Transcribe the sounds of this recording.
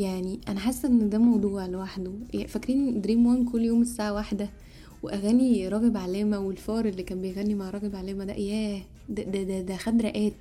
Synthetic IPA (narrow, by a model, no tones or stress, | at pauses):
jaʕniʔænæħasːʔenːd̪æːmɑwd̪ˤuːʕlewaħd̪oæfækɾiːnd̪ɾiːmwænkolːjoːmesːaʕawaħd̪æ | weʔæɣæːniɾˤɑːɣebʕalæːmæwelfɑːɾˤelːiːkæːnbejɣænːimaʕɾˤɑːɣebʕalæːmæd̪æ̰ʔjæː | d̪d̪æd̪æd̪æxæd̪ɾæʔæːt̪i